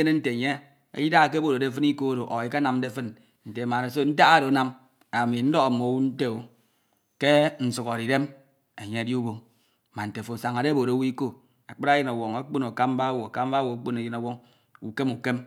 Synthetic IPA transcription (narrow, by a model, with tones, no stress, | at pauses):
e˦ne˦n̩˦te˨ɲe˦ | ḛ˦ji˦da˦a˨k̬e˦bo˦˨ɾo˨de˦fɨ˦ni˦ko˦ɾo˨ʔɔ˨i˨ka˦na˨m˦de˦fɨ˦n | n̩˨te˨ma˨ne˨so˦n̩˦ta˦ɣa˦ɾo˨˦na˦m | a˨mi˨n̩˦dɔ˦ɣa˨mo˨wu˦n̩˦te˦o˦ | ke˦n̩˨su˨ko˨ɾi˨de˦m | e˨ɲe˦di˦u˦bo˦ŋ˨ | ma˨n̩˨te˨fo˨sa˨ŋa˨de˦bo˨ɾo˨˦wi˦ko˦ | a˨k͡pɨ˦ɾa˦je˦na˨wo˨ŋa˨˦k͡po˦no˨ka˦m˦ba˦wo˨a˨ka˦m˦ba˦wo˨a˨˦k͡po˦ne˨ji˦na˨wo˦ŋ | u˨ke˦mu˨ke˦m